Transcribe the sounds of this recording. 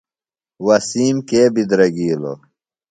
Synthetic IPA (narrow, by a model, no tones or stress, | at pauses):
wɐsiːmkeːbid̪ɾɐɡiːlo̰